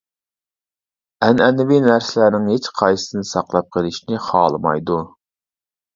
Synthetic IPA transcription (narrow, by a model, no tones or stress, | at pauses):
ɛnɛnɪvinæɾsɪlæɾnɪŋhet͡ʃqʰɑjsɨ̥sɨnsɑqlˠɑp̚qʰəlˠɪʃnɪχɑːlˠɨmɑ̰jd̪u